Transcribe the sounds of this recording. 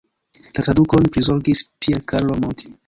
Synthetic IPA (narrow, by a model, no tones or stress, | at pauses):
lʔat̪ɾadukonpɾizoɾɡispieɾkʰaɾlomont̪ʰi̥